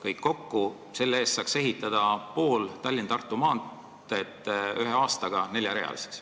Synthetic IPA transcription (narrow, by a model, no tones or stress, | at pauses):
kɤjkːo̞kːu | se̞lːeeːst̪sɑːkse̞ɦit̪ːˑɑd̪̥ɑpo̞ːlt̪ɑlʲːint̪ɑrt̪ːˑumɑːnt̪ | et̪ˑːyɦeɑːst̪ɑɡ̥ɑne̞lʲjɑɾe̞̰ɑ̰lise̥ks